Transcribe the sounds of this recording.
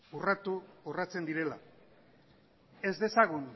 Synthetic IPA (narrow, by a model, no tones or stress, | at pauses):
urat̪uurat͡se̞nd̪iɾe̞la | e̞zd̪e̞saɣ̞un